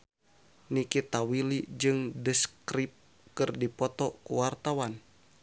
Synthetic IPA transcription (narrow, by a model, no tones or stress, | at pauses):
nikit̪awilid͡ʒɨŋdəskɾip̚ | kɨrdipɔt̪ɔkuwart̪awan